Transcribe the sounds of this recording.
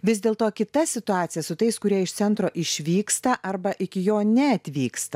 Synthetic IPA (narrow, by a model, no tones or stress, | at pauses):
ʋʲɪzd̪ʲeːlˠt̪oːkʲɪt̪ɐsʲɪt̪ʊɑːt̪sʲɪjɛsʊt̪ɐɪskʊɾʲiɛɪʃtsʲɛnt̪ɾoːʔɪʃʲʋʲiːkst̪ɐʔɐrbɐʔɪkʲɪjoːnʲɛɐt̪ʲʋʲiːkst̪ɐ